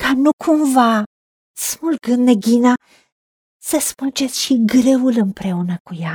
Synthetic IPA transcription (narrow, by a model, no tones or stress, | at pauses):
kanukʰumva | smulɡɨnneɡʲina | səsmɨld͡ʒe̞t̪sʲʃiɡɾe̞ulɨmpɾe̞unəkuja